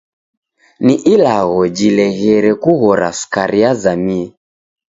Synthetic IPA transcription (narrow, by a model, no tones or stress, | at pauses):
niʔilaɣɔd͡ʒilɛɣɛɾɛkuɣɔɾa̰skaɾiazamiɛ